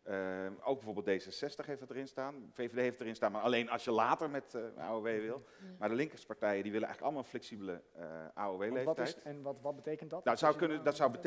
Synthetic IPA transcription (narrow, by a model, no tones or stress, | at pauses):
əow̚ɡbɛvoɹbɪlˠdejzəsɛstəχɦejftətərɪnstaːnfejvedejɦeɪftərɪnstaːnmaːɹɑlejnɑ̰lˠsjəlaːtəɹmɛta̰ːoʋejʋɪlˠ | maːɹdəlɪŋkəspaɹtɛjədiʋɪlənɛ̰jχləkɑlˠəmalˠənflɛksibələʔa̰ːoʋejletɛɛnʋtʋɑt̚bətejkəntdtnasowkønədɑtsɔwbət